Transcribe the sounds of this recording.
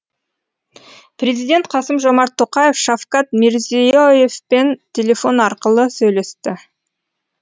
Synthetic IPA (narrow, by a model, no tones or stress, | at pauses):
pɾe̞zijd̪ʲe̞nt̪̚qʰɑsəmʒo̞mɑɾt̪ʰːo̞qɑje̞fʃafkɑt̪meɾzioje̞fpe̞nt̪ʲʰele̞fo̞nɑɾqəlˠəsɵjle̞st̪ɪ